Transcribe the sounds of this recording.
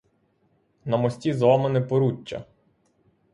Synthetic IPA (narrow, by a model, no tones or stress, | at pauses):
nɐmɔsʲtʲizɔmenɛpɔɾut͡ʃːɐ̰